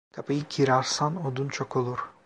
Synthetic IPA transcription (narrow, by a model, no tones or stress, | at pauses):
kʰapajikʰiɾaɾsanod̪unt͡ʃʰokʰolˠuɾ̥